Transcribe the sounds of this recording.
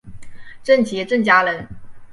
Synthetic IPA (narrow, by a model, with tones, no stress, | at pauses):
ʈ͡ʂə˥˩nt͡ɕjɛ˧˥ʈ͡ʂə˥˩ŋt͡ɕja˥lə˧˥n